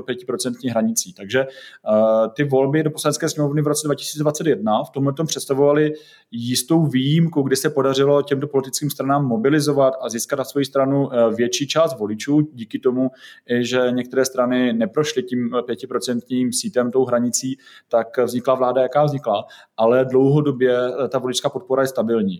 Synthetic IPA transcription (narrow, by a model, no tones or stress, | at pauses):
opjɛcɪpɾo̞t͡sɛnt̪ɲiːxɦɾaɲɪt͡siːt̪aɡʒɛ | t̪ɪvo̞lbɪdoposlanɛtt͡skɛːsɲɛmo̞vnɪvɾot͡sɛdvacɪ̥si̥ːt͡sɛdvatt͡sɛt̪jɛdnaft̪omɦlɛt̪ompr̥ɛt̪st̪avovalɪ | jɪst̪o̞wviːjimkuɡdɪsɛpo̞dar̝ɪlo̞cɛmt̪opolɪt̪ɪ̥t͡skiːmst̪ɾanaːmːo̞bɪlɪzo̞vat̪ʔaziːskat̪̚nasvo̞jist̪ɾanuvjɛt͡ʃiːt͡ʃaːst̪vo̞lɪt͡ʃuːɟiːkɪt̪o̞muʔɪʒɛɲɛk̚t̪ɛɾɛːst̪ɾanɪnɛpɾoʃlɪciːmpjɛcɪpɾo̞t͡sɛnt̪ɲiːmsiːt̪ɛmt̪owɦɾaɲɪt͡siː | t̪akvzɲɪklavlaːdajakaːvzɲɪklaʔalɛdlo̞wɦodo̞bjɛt̪avolɪt͡ʃskaːpo̞t̪̚poɾajɛst̪abɪlɲḭː